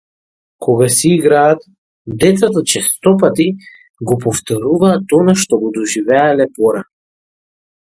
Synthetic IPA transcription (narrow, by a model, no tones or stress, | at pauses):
kʰɔɡasiiɡɾaːt̪̚ | d̪ɛt̪sat̪at͡ʃɛst̪ɔpat̪i | ɡɔpɔft̪ɔɾuvaːt̪ɔnaʃt̪ɔɡɔd̪ɔʒivɛalɛpɔɾa